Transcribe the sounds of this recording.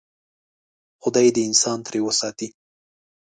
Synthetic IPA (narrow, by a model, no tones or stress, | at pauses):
xʊd̪ɑjed̪əɪnsɑnt̪ɾewəsɑt̪i